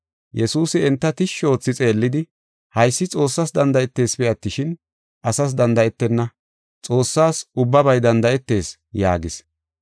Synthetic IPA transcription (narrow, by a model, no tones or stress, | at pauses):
jɛsuːsɪɛnt̪ːɐt̪ɪʃːo̞ːt͡sːɪt͡sʼe̞ːlːɪd̪ɪ | hɐjsːɪt͡sʼo̞ːsːɐsd̪ɐnd̪ɐʔɛt̪ːe̞ːsbɪɐt̪ːɪʃɪn | ʔɐsɐs̬d̪ɐnd̪ɐʔɛt̪ːɛnːɐ | t͡sʼo̞ːsːaːsʊbːɐbɐjd̪ɐnd̪ɐʔɛt̪ːe̞ːs | ja̰ːɡɪs